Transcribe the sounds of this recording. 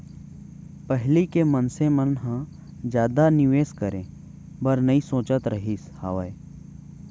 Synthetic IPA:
pəɦlikemənsemənɦã | d͡ʒjaːd̪anɪʋeːskəɾẽː | bɐɾnɐĩsõːt͡ʃət̪ɾəɦiːsha̰ːʋəe

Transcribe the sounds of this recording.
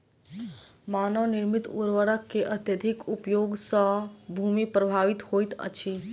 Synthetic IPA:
manəʋniɾmit̪ṵɾʋəɽəkːeʔət̪jəd̪ʱikupjoɡsə̃bʱumipɾəbʱaʋit̪hojt̪ə̰t͡ʃʰi

